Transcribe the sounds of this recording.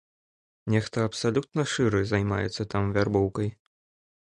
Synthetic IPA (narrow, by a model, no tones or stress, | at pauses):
nʲɛxt̪ɐɐpsalʲut̪̚nɐʂɨɾɨzajma̰jɛ̰t̪sːɐt̪amvʲarbɔwkɐj